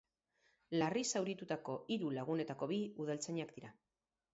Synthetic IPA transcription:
larisawɾit̪ut̪ako̞iɾulaɣ̞une̞t̪ako̞βiuð̞alt͡seɲakd̪iɾa

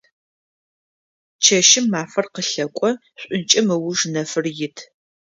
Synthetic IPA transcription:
t͡ʃʰɐʃɪmːaːfɐrqəɬɐkʷʼɔ | ɕʷʼʊnt͡ʃʼɐmɨwʊʐnɐfɨrjɪtʰ

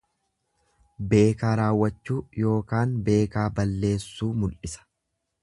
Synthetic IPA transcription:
be̞ːkaːɾaːwːɐt͡ʃːuːjo̞ːkaːnbe̞ːkaːbɐlːe̞ːsːuːmʊlʔɪsɐ̥

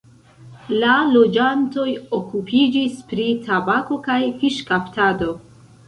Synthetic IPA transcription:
lalo̞d͡ʒanto̞jokupʰid͡ʒispɾitʰabako̞kajfiʃkaptado̞

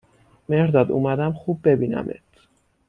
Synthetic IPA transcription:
mehɾd̪ɒːd̪ṵmæd̪æmχuːbːe̞biːnæ̰mʔḛt̪ʰ

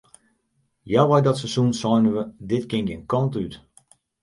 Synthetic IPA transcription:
jaʋajdɔtsəsunsɔjnəʋədɪtkɪŋɡɪnkɔntyt

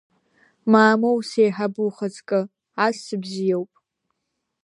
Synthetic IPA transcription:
maːmowsejħabuχət͡sʼkʼɨ | asːɨbzijewpʼ

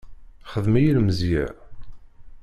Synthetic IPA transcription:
χəðmijilmzjḭʕ

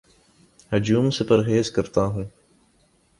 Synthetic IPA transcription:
hʊd͡ʒuːmsepɐɾɦeːzkɐɾt̪aɦũː

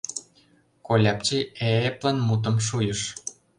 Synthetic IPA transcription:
kolʲɑp̚t͡ɕieplɑnmut̪̬ə̆mʃ̬ujə̆ʃ

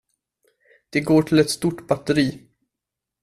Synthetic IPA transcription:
d̪̥ɛɡoːʈʰɪlɛt̪st̪uʈbat̪ːəɾiː

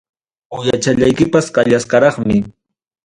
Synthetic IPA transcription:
ʊjat͡ʃaʎajkɪpasɢɑʎasqɑɾɑχmɪ

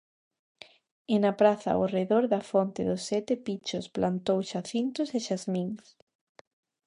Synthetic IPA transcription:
ɪnapɾaθɐ̰oreðoɾðɐfont̪ɪðʊsːɛt̪epit͡ʃʊsplant̪owʃaθint̪ʊsɪʃazmiŋs

